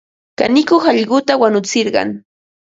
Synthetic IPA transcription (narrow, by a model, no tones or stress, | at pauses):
ka̰nɪkoχɑʎɢʊt̪awanʊt͡sɪɾɢɑ̰ŋ